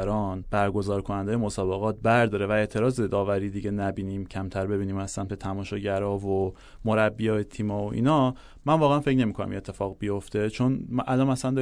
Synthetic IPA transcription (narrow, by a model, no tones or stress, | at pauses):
ɾɒːnb̥æɾɡo̞zɒːɾkʰo̞nænd̪eje̞mo̞sɒːbe̞ɣɒːt̪̚bæɾd̪ɒːɾe̞væe̞ːt̪ʰe̞ɾɒːze̞d̪ɒːvæɾiːd̪iɟe̞næbiːniːmcʰæmt̪ʰæɾbe̞biːniːmæslænbet̪ʰæmɒːʃɒɟæɾɒːvo | moɾæbːijɒːjet̪ʰiːmɒːoʔḭːnɒ | mænvɒːɣeænfe̞cne̞miːkʰonæ̰mḭne̞t̪ʰːe̞fɒːɣbijo̞ft̪e̞t͡ʃʰo̞nʔælɒːmæsænd̪ɒ